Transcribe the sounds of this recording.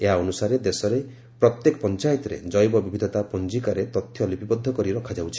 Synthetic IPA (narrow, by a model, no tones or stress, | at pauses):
eɦaɔnusaɾed̪esɔɾe | pɾɔt̪jekɔ̥pɔnt͡ʃajɔt̪ɔɾḛd͡ʒɔjbɔbibʱid̪ʱɔt̪apɔnd͡ʒikaɾet̪ɔt̪ʰjɔlipibɔd̪ʱːɔkɔɾiɾɔkʰad͡ʒawt͡ʃʰi̥